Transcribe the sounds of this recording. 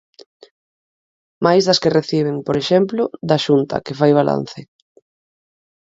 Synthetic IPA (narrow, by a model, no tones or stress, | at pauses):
majzðɐskereθiβ̞eŋpoɾeʃɛmplʊðaʃunt̪ɐ̰kefajβalʔa̰n̟θɪ